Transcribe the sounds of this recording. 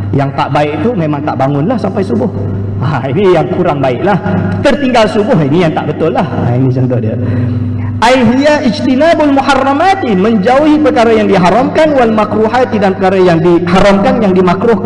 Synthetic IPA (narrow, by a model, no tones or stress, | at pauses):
jaŋt̪aʔbaɪʔ̚t̪umemaŋt̪aʔbaŋʊnlahsampajsubʊh | ainijaŋkuɾaŋbaɪʔlaht̪ərt̪iŋɡalsubʊɦinijaŋt̪a̰ʔbət̪ʊlːaha̰init͡ʃənt̪ʊhdə̰ | ʔajɦiaid͡ʒt̪inabalmuharːamat̪iməɲd͡ʒauhipərkaɾajaŋdiɦaɾamkanwalmakɾuɦat̪idanpərkaɾajaŋdihaɾamkanjaŋdimakɾʊh